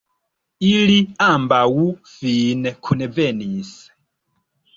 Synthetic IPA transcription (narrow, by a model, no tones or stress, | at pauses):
iliambawufinɛkʰunɛvɛniːsɛ̥